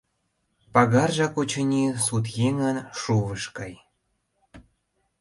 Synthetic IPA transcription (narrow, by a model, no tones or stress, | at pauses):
pɑɣɑrʒɑkut͡ɕənʲisut̪̬jeŋənʃuβəʃkɑj